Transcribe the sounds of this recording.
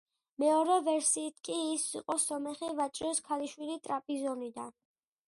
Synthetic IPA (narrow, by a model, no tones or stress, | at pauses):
mɛɔɾɛvɛɾsiːt̪ʰkʼiːsḭqʼɔsɔmɛχivat͡ʃʼɾɔskʰaliʃwilit̪ʼɾapʼizɔnid̪a̰n